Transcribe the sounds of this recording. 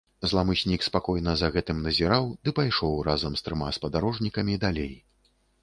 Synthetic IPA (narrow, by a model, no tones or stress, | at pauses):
zlˠamɨɕʲnʲikspakɔjnɐzɐɣɛt̪ɨmnɐzʲiɾawd̪ɨpajʂɔwɾazɐmst̪ɾɨmaspɐd̪aɾɔʐnʲikɐmʲid̪alʲej